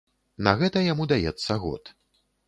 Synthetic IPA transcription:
nɐɣɛt̪ɐjamud̪ajɛt̪sːɐɣɔ̰t̪

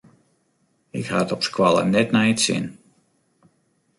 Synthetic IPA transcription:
ɪkha̰tɔpskwalˠə̰nɛtnɛjətsɪ̰n

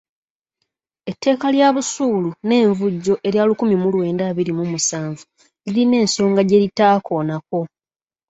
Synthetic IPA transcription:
e̞tːe̞ːkaljaːβusuːlune̞ːɱvuɟːo̞ʔe̞ɾjaːlukumimulwe̞ːndaːβiɾimumusaːɱvu | liline̞ːnso̞ːŋɡaɟe̞litaːko̞ːnako̞

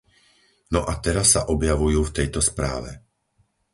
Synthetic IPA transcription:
nɔʔat̪ɛɾasːaʔɔbjaʋujuːft̪ɛjt̪ɔspɾa̰ːʋɛ̰

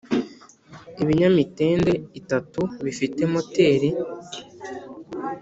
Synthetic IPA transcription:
iβiɲamite̞ːnde̞itatuβifite̞mo̞te̞ːɾi

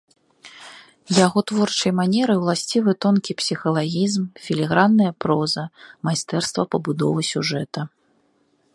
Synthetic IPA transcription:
jaɣɔt̪vɔrt͡ʂɐjmanʲɛɾɨjwlˠasʲt͡sʲivɨt̪ɔnkʲipsʲixɐlˠaɣʲizmfʲilʲɛɣɾanːɐjɐpɾɔzɐmajst̪ɛrst̪vɐpɐbud̪ɔvɨsʲuʐɛt̪ɐ

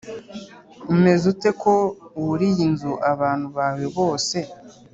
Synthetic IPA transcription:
me̞zute̞ko̞uuɾijinzuʔaβaːn̥huβawe̞βo̞ːse̞

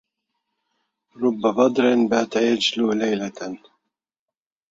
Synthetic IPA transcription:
ɾˤʊbːabɑd̪ˤɾɪnbaʕt̪ajad͡ʒlulajlan

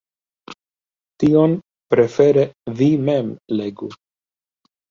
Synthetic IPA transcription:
tio̞n | pɾe̞fe̞ɾevimemle̞ɡu

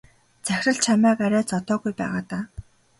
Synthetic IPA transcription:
t͡sæxʲrə̆ɬt͡ɕʰamæːkaɾʲæːt͡sɔt̪ɔːɣujpæ̰ːʁaːt̪aː

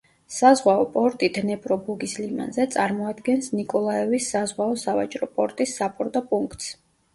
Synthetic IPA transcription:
sazʁwaɔpʼɔɾt̪ʼid̪nɛpʼɾɔbuɡislima̰nzɛt̪sʼaɾmɔad̪ɡɛnsnikʼɔlˠaɛvisːazʁwaɔsava̰t͡ʃʼɾɔpʼɔɾt̪ʼisːapʼɔɾd̪ɔpʼuŋkʰt̪ʼs

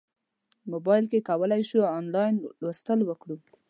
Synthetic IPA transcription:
mobɑjɪlkekawəlajʃuːnlɑjnlwəst̪əlwəkɽu

